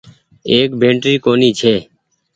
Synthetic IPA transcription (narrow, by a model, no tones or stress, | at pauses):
eːkbʱẽːɳʈɾiːkoːniːt͡ʃʰeː